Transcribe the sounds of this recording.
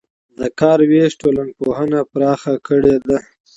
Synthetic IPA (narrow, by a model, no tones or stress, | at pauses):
d̪əkɑɾweʂʈolan̚poɦənapɾɑxakəɽed̪a